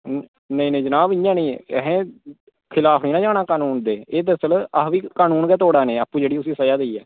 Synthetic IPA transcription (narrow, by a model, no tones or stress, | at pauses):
nə̃ĩːnə̃ĩd͡ʒənaːbɪ̃jãːnĩːɦẽː | kʰɪlaːpʰniːnãːd͡ʒaːɽaːkaːnuːnd̪eːeːt̪əsəlaʋiːkaːnuːnɡɛːt̪oːɽaːnẽːaːpːũːd͡ʒeːɽiːʊsĩːsəd͡ʒaːd̪eiːɛ̰ː